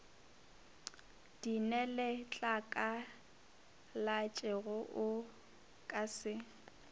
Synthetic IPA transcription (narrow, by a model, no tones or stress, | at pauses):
d̥inɛlɪt͡ɬʼakʼa | lat͡ʃʼɛɣʊʔʊ | kʼasɪ